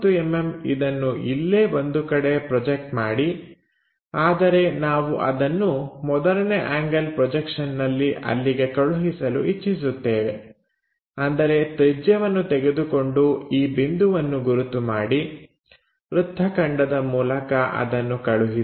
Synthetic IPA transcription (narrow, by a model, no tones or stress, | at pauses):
t̪uememḭd̪ɐnːuʔilːeːʔond̪ukɐɽe̞pɾɔd͡ʒek̚ʈmaːɽi | aːd̪ɐɾe̞naːʋuʔɐ̰d̪ɐnːumɔd̪ɐɾɐneʔaːŋɡɐlpɾɔd͡ʒekʂɐnːɐlːiʔɐ̰lːiɡe̞kɐɭuɦisɐlṵʔit͡ʃːis̬ut̪ːeːʋe̞ | ɐnd̪ɐɾe̞t̪ed͡ʒjɐʋɐnːut̪eɡe̞d̪uko̞ɳɖuiːbind̪uʋɐnːuɡuɾut̪umaːɽi | ɾud̪ʱːɐkɐɳɖɐd̪ɐmuːlɐkɐʔɐ̰d̪ɐnːukɐɭuɦi